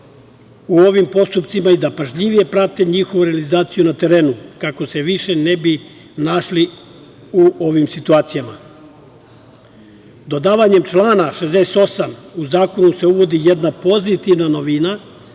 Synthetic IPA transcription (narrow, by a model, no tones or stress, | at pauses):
uo̞ʋimpo̞st̪upt̪simaid̪apaʒʎiʋije̞pɾat̪e̞ɲixo̞ʋuɾealizaːt̪sijunat̪e̞ɾe̞ːnukako̞se̞ʋiʃe̞ne̞bi | naʃli | uo̞ʋimsit̪uaːt̪sijama | d̪o̞d̪aːʋaɲe̞mt͡ʃlaːnaʃezd̪eset̪o̞samuzaːko̞nuse̞uʋo̞d̪ijed̪napo̞zit̪iʋnano̞ʋina